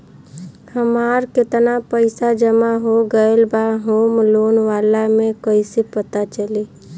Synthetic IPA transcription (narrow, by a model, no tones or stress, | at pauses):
həmaːɾkɪt̪napəɪsad͡ʒəmaɦoɡəelbaɦoːmloːnʋaːlamẽkəɪsepət̪at͡ʃəli